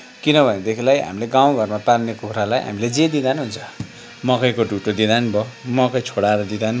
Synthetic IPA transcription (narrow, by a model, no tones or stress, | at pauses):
kinʌbʱʌned̪ekʰilajɦa̰mileɡaw̃ɡʱʌrmapalnekukɾalajɦa̰miled͡zed̪id̪anuɦunt͡sʰʌ̥ | mʌkʌjkoɖʱuʈod̪id̪anbʌmʌkʌjt͡sʰoɽaɾʌd̪id̪an